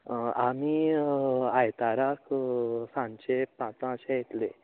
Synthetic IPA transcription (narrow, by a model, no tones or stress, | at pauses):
ami | ajt̪aɾaksãnt͡ɕepãt͡sãəɕajet̪le